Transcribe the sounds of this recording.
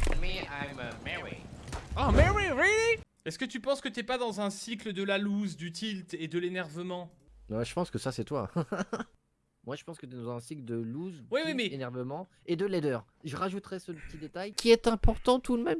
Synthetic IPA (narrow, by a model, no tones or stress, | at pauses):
mɛajmmɛɹḭomɛʁiɹili | ɛskət̪ypɑ̃skət̪yɛpad̪ɑ̃zɛ̃sikləd̪əlaluzd̪yt̪ʰilt̪ed̪əlenɛʁvəmɑ̃ | ɛʒəpɑ̃skəsasɛt̪wa̰ | mwaʒəpɑ̃skət̪yɛd̪ɑ̃zɛ̃sikləd̪əluzwiwimɛenɛʁvəmɑ̃ | ed̪əlɛd̪œːʁ | ʒəʁaʒut̪χɛsəpət̪id̪et̪ajkʲiɛt̪ɛ̃pɔʁt̪ɑ̃t̪ud̪mɛm